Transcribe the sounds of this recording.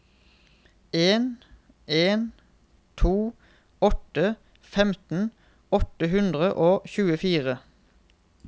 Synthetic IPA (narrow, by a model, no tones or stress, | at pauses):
eːn | eːn | t̪ʰuː | ɔt̪ə | fɛmt̪n̩ | ɔt̪əɦʉnd̪ʁəʔoːçʉːəfiːʁə